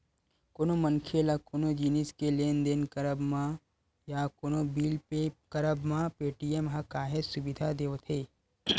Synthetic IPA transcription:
koːnomənkʰelakoːnod͡ʒiniskeleːnd̪enkəɾəbmã | jakoːnobiːlekɐɾəbmãpeːʈijemɦakaːɦesʊbɪd̪ʱad̪eːot̪ʰeː

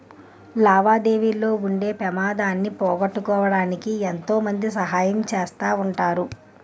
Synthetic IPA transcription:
laːʋaːd̪e̞ːʋiːlo̞ːuɳɖe̞ːpɛmaːd̪aːnːipɔːɡɐʈːukɔːʋɐɽaːnikient̪o̞ːmɐnd̪isɐɦaːjɐmt͡ʃeːst̪aːuɳʈaːɾu

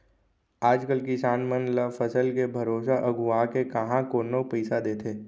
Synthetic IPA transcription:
aːd͡ʒkəlkɪsaːnmənlafəsəlkebʱɐɾoːsaʔɐɡʱuakekɐɦãkoːnopəɪsad̪eːt̪ʰeː

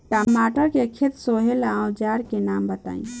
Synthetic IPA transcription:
ʈamaʈəɾkekʰet̪soɦelawd͡ʒaɾkenambət̪a̰ĩn

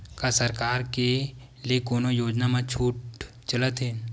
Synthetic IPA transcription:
kasəɾkaːɾke | liekoːnojoːd͡ʒnamãt͡ʃʰuːʈ̚ | t͡ʃɐlət̪ɦɛː

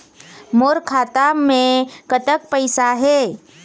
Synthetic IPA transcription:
moːɾkʰaːt̪amẽkət̪ək̚pəɪsaɦɛː

